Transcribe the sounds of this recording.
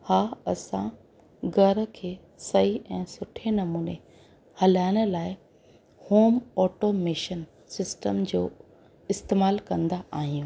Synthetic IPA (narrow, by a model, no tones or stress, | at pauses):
haːɐsã̰ | ɡɐɾə̆kʰeː | sɐiʔɛ̃ːsʊʈʰenɐmuːne | hɐlaːɪɽ̃ə̆laːɪ | hoːmɔːʈomeːʃən | sɪsʈəmd͡ʑoː | ɪst̪eːmaːlkɐ̃nd̪aʔaːɦijũ